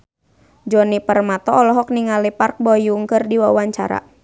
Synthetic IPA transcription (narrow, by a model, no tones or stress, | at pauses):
d͡ʒɔnipərmat̪ɔɔlɔɦɔk̚niŋalipark̚bɔjuŋkɨrdiwawaɲt͡ʃa̰ɾa̰